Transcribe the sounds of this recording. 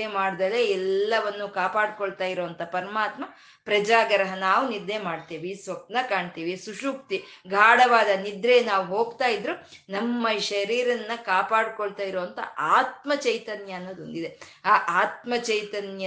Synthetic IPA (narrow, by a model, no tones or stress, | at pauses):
emaːɽd̪ɐleɛlːɐʋɐnːukaːpaːɽkoɭt̪aːjiɾoːɐnt̪ɐpɐɾɐmaːt̪mɐ | pɾɐd͡ʒaːɡɐɾɐɦɐnaːʋuniɾd̪emaːɖt̪iːʋisʋɐk̚t̪nɐkaːɳt̪iːʋisuʂuːkt̪iɡʱaːɽɐʋaːd̪ɐnid̪ɾeːnaːʋuɦo̞ːɡt̪aːjid̪ɾu | nɐmːɐʃɐɾiːɾɐnːɐkaːpaːɽkoɭt̪aːjiɾoːʋɐnt̪ɐ̰ʔaːt̪̚mɐt͡ʃɐjt̪ɐnjɐːnːoːd̪o̰nd̪id̪eaːʔaːt̪mɐt͡ʃɐjt̪ɐnjɐ